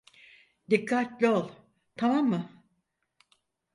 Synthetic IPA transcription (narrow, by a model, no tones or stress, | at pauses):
d̪ikʰːat̪lʲolˠ | t̪ʰamamːɯ